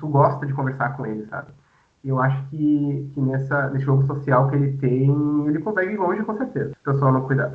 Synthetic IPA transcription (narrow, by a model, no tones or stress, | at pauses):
t̪uɡɔst̪ɐd͡ʒɪkõveɾsa̰ɾkõelɪsa̰bɪ | ewaʃʊ̥kɪkɪnɛsɐnesɪʒoɡʊsosiawkɪelɪt̪ẽjj̃elɪkõt̪aiiɪlõʒɪkõseɾt̪ezɐpesaɐnɐ̃w̃kujd̪a̰d̪ʊ